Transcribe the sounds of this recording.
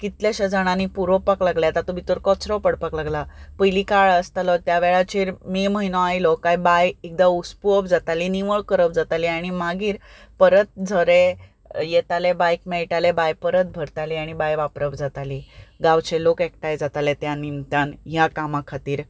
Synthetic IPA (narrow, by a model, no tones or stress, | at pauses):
kit̪ljaɕad͡zaɽ̃anipuɾɔpaklaɡljat̪at̪obʱit̪oɾkɔt͡sɾɔpəɽpaklaɡlapəjlikaɭəst̪alɔt̪jaʋeɭat͡ɕeːɾmiməɦinoajlɔkajbajek̚d̪auspuəpd͡zat̪aliniʋəɭkəɾəbd͡zat̪aliaɽ̃imaɡiːɾpəɾət̪̚d͡zʱəɾe | jet̪alebajk̚meɭʈalebajpəɾət̪̚bʱəɾt̪aliaɽ̃ibajʋapɾəpd͡zat̪aliɡawt͡ɕelokekʈajd͡zat̪alet̪janint̪anɦjakamakʰat̪iːɾ